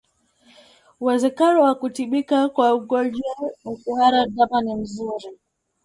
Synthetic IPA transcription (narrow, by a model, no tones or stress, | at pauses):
wazɛkaɾɔwakutiɓikakwauɡɔd͡ʒawakuhaɾadamanim̩zuɾi